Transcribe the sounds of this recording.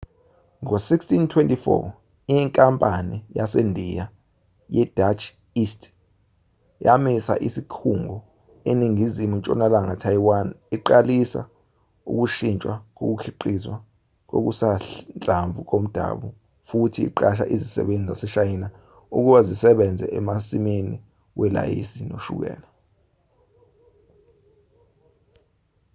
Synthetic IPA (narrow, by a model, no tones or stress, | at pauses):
ŋosikstʰintʰwentʼifɔ̰ | iŋkʼampʼanijasendʱija | jɛd̥ʱat͡ʃʰ | istʰʼ | jamisa̰ʔisikʰuŋɔ | eniŋizimunt͡ʃʼɔ̰nalaŋatʰajwaniǃalisa̰ | ṵk̬uʃint͡ʃʼwak̬ok̬ukʰiǃiswa | k̬o̰k̬usaɬnt͡ɬʼaɱvʱuk̬om̩d̥ʱa̰ɓu | futʰiḭǃaʃ̬a̰ʔizisɛ̰ɓend͡zʱizasɛʃajina | uk̬uɓazisɛɓɛnd͡zʱɛ̰ʔɛmasimeni | wɛla̰jḭsino̰ʃṵk̬ɛ̰ːla